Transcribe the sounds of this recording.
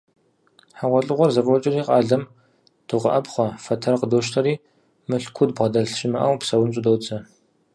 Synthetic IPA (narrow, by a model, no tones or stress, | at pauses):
ħaʁʷɔɬʼɨʁʷɔrzɐfʼɔt͡ʃʼɪriːqʼɑːɮɐm | d̥ɨʁʷɐ̰ʔɐpχʷɔfɐtʰɐrqədoːʃ̬tʰɐɾiː | mɨɬkʷʰʊdbʁɐdɐɮʃɪmɐʔɐwpsɐwʊnt͡ʃʼʊdowt͡sʼɐ